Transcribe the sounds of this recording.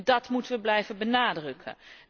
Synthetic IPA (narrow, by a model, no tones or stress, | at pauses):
dɑtmutəʋəblɛjvəbənaːdrəkʰə̰